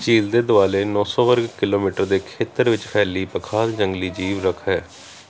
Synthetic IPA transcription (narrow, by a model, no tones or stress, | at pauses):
t͡ʃiːld̪eːd̪ʊaːleːnɔ̃ːsɔ̃ːʋəɾɡkɪloːmiːʈəɾd̪eːkʰeːt̪əɾʋɪt͡ʃpʰɛːliːpəkʰaːd̪d͡ʒəŋɡliːd͡ʒiːʋɾəkʰɦɛː